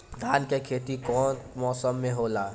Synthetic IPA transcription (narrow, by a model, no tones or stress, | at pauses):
d̪ʱaːnkekʰeːt̪ikɔːnmɔːsəmːẽɦoːlaː